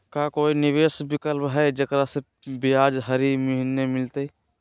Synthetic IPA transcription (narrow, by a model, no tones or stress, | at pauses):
kakoːinɪʋeːsbɪkəlbɦɛd͡ʒəkɾase | bɪjaːd͡ʒɦəɾiməɦɪnːemɪlt̪e